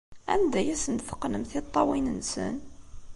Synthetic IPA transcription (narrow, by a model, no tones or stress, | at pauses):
æ̰nd̪æjæsənt̪θə̥qːnəmθit̪ˤːɑwinənsə̰n